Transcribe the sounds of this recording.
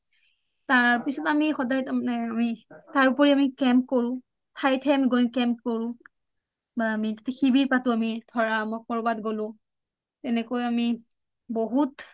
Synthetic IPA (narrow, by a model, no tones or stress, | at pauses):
taɹpisɔtamixɔdajtamanɛamitaɹupɔɹiamikɛmp̚koɹʊ̃ | tʰajtʰɛamiɡojnkɛmpkoɹʊ̃ | baːmitetɛxibiɹpatʊamidʱɔɹamɔkɔɹbatɡolʊ̃ | tɛnɛkojami | boɦut